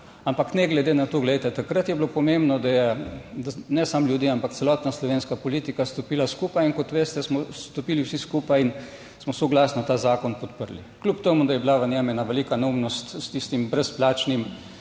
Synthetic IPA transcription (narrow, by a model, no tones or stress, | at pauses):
ampaknɛɡlɛd̪eːnat̪oːɡlɛjt̪ɛt̪akɾət̪jɛblopɔmẽmbnɔd̪ajɛd̪anɛsamljud̪iːampakt̪sɛlɔːt̪naslɔʋeːnskapɔliːt̪ikast̪opiːlaskuːpajinkɔt̪ʋeːst̪ɛsmɔst̪ɔpiːliwsiskuːpajin | smɔsɔɡlasnɔt̪aːzaːkɔnpɔt̪pəɾlḭklʲupt̪emud̪ajɛblaʋənjɛmɛnaʋɛliːkanaumnɔst̪st̪ist̪imbɾɛsplaːt͡ʃnim